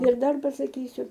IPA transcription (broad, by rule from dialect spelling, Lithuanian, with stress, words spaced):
ɪr ˈdɐr pɐsɐˈkʲiːsʲʊ